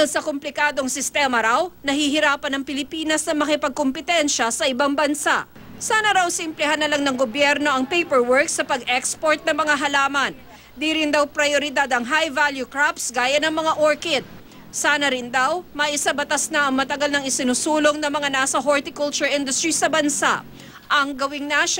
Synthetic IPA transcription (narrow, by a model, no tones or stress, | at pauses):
lsɐkomplɪkaːd̪oŋsɪst̪ɛːmɐɾawnɐhiɦɪɾaːpɐnɐŋpɪlɪpiːnɐsnɐmɐkɪpɐɡ̚kompɪt̪ɛnʃɐsɐʔɪbaŋbɐnsa̰ʔ | saːnɐɾawsimplɛɦanɐlaŋnɐŋɡobjɛɾno̞ʔɐŋpejpɛɹwɛɹksɐpɐɡʔɛkspoɹt̪̚nɐŋmɐŋaɦɐlaːmɐn | d̪iɾɪnd̪awpɾɐjoɾɪd̪ad̪ɐŋɦajvaljukɹapsɡaːjɐnɐŋmɐŋaʔoɹkɪt̪̚ | saːnɐɾɪnd̪awmɐʔɪsabɐt̪asnɐʔɐŋmɐt̪ɐɡalnɐŋɪsɪnʊsuːloŋnɐmɐŋanaːsɐɦoɹt̪ɪkʊlt͡ʃʊɹʔɪnd̪ʊst̪ɹisɐbɐnsa̰ʔ | ʔɐŋɡɐwɪŋnaʃ